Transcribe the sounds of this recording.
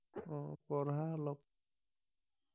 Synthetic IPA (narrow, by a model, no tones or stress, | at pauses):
ɔpɔɾɦalɔp